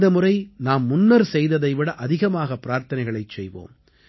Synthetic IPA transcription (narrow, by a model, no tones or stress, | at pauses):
d̪ɐmɯrɐɪnaːmːʊnːɐɾsɛjðɐðɐɪʋɪɽɐʔɐðɪɣɐmaːɣɐpːɪɾaːɾt̪ɐnɐɪɣɐɭɐɪt͡ʃsɛjʋo̰ːm